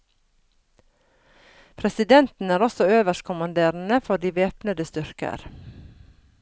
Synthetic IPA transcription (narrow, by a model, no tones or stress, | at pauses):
pʰɾɛsɪd̪ɛnt̪n̩æːɾɔsɔøːʋəʃkʰʊmɑnd̪eːɾn̩əfɔd̪iːʋeːpnəd̪əst̪ʏɾkə̰ɾ